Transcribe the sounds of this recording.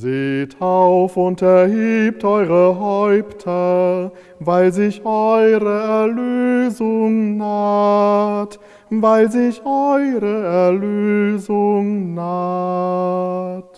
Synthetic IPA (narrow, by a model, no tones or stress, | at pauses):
zeːtaʊfʊntɛɐɦiːp̚tʔɔʏʁəɦɔʏptʰɐ | vaɪlzɪçʔɔʏʁəɛɐløːzʊŋnaː | t | vaɪlzɪçʔɔʏʁəɛɐløːzʊŋnaː | t